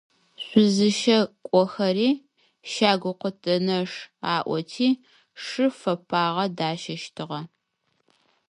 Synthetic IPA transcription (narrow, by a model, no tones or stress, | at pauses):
ɕʷʊzɨʃɐkʷʼɔxɐɾiː | ʃaːɡʷʊqʷətʼɐnɐʂaːʔʷɔtʰiː | ʂɨfɐpʰaːʁɐdaːʃɐʃtʰɨʁɐ